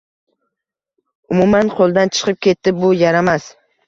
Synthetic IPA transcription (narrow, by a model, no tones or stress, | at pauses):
ʊmumanqʰolˠd̪ant͡ʃʰɨ̥qɨp̚kʲʰe̞t̪ːɪbʊjaɾamas